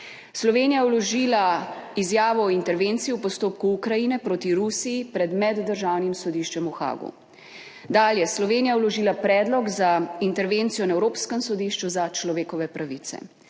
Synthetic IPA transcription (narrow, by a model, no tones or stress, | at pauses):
slɔʋeːnijawlɔʒiːlaizjaːʋɔːint̪ɛɾʋeːnt̪sijiupɔst̪oːp̚kuukɾajinɛpɾoːt̪iɾusijipɾɛd̪mɛd̪ːəɾʒaːwnimsɔd̪iʃt͡ʃɛmuxa̰ːɡṵ | d̪aːljɛslɔʋeːnijawlɔʒiːlapɾɛːd̪lɔɡzaint̪ɛɾʋent̪sijɔnaɛwɾoːpskɛmsɔd̪iʃt͡ʃuzat͡ʃlɔʋeːkɔʋɛpɾaʋit̪sɛ̰